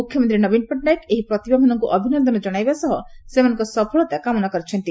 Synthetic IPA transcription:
mukʰjɔmɔnt̪ɾinɔbinpɔʈɖajkeɦipɾɔt̪ibamanɔŋkuʔɔbʱinɔnd̪ɔnɔd͡ʒɔɽ̃ajbasɔɦɔsemanɔ̃ŋkɔsɔpʰɔɭɔt̪akamɔnakɔɾet͡ʃʰɔnt̪i

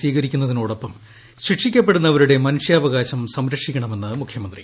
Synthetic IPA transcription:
ʋiːɣɐɾikʲːunːɐðinoːɽopːɐm | ɕrikʂikʲːɐpːe̞ɽunːɐʋɐɾuɽe̞mɐnuʂjɐɐʋɐɣaːɕɐmsɐmɾɐkʂikʲːɐɳɐme̞nːɨmukʰjɐmɐnd̪ri

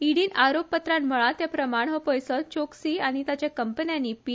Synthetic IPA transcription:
iɽiːnaɾopːət̪ɾãnməɭat̪japɾəmaɳ̃ɦɔpɔjsəlt͡ɕoksiːaɽ̃it̪at͡ɕjakəmpənjãnːiːpi

